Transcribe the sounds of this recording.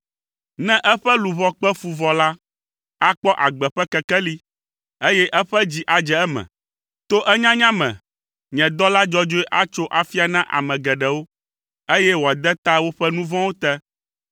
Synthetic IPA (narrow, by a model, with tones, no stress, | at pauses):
nɛ̃˦ʔɛ˦ɸɛ˦lu˨βɔ˨k͡pɛ˦fu˨vɔ˨la˦ | a˦k͡pɔ˦ʔa˨ɡ͡bɛ˨ɸɛ˦kɛ˨kɛ˦li˦ | e˦jɛ˦ʔɛ˦ɸɛ˦d͡ʑi˦ʔa˨d͡ʒɛ˨ɛ˦mɛ̰̃˨ | t̪o˦ʔɛ˦ɲã˦ɲã˦mɛ̰̃˨ | ɲɛ̃˨d̪ɔ˦la˦d͡ʒɔ˦d͡ʒo˦ɛ˦ʔa˦t͡ʃo˦ʔa˨fi˦a˨nã˦ʔa̰˨mɛ̃˨ɡɛ˨ɖɛ˨wo˦ | e˦jɛ˦wo˨a˨d̪ɛ˦t̪a˦wo˦ɸɛ˦nũ˦vɔ̃˦wo˦t̪ɛ˦